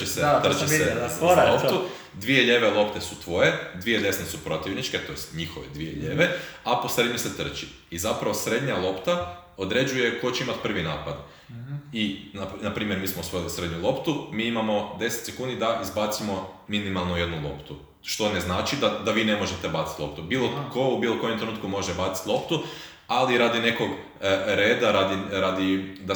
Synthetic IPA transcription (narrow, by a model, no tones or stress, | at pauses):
eset̪̩t͡ʃiselˠopt̪u | d̪ʋije̞ʎe̞ːʋe̞lˠo̞pt̪esut̪ʋo̞je̞d̪ʋie̞d̪e̞snesupɾo̞t̪iʋnit͡ʃke̞t̪o̞jest̪ɲixoʋḛd̪ʋijḛʎeːʋeapo̞sɾe̞d̪ɲuse̞t̪r̩t͡ʃi | izapɾaʋo̞sɾe̞d̪ɲalˠo̞pt̪a | od̪ɾe̞d͡ʒuje̞ko̞t͡ɕeimat̪̚pr̩ʋinaːpad̪ | inanapɾiːmje̞ɾmiːsmousʋojilisɾe̞d̪ɲulˠo̞pt̪umiːimamo̞d̪e̞set̪sekuːnd̪id̪aʔizbat̪simo̞minimalˠnoje̞d̪nulˠo̞̰pt̪u | ʃt̪o̞ne̞znaːt͡ʃid̪ad̪aʋiːne̞mo̞ʒet̪e̞bat̪sit̪lˠo̞p̚t̪ubiːlokoubiːlˠoko̞jomt̪ɾenut̪kumo̞ʒet̪ebat̪si̥t̪lˠo̞pt̪u | aliɾad̪ine̞ko̞ɡ | ɾe̞ːd̪aɾad̪iɾad̪id̪a